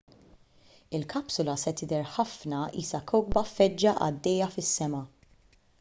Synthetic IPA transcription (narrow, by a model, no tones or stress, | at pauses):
ɪlkɐpsʊlɐsɛt̪ɪd̪ɛɾħɐfnɐḭːsɐkʰɔwɡ̚bɐfɛd͡ʒːɐʔɐ̰d̪ːɛjːɐfɪsːɛmɐ